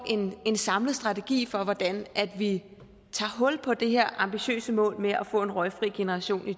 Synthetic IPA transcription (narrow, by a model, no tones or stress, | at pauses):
e̝ne̝nsɑ̈mləð̩ˠsd̥ʁɑ̈t͡sʰeɡ̥ḭːfɒ̽ʋɒd̥ænʔæd̥ʋi | t͡sʰɑ̰̈ːɦɔ̽l̰pʰɒ̽d̥e̝ɦeɐ̰ʔɑ̈mb̥iɕø̰ːsəmɔ̰̽ːlmeʔæfɔ̰̽ːe̝nʁɒ̽ɪfʁiːɡ̥e̝nəʁɑ̈ɕo̝̰ːni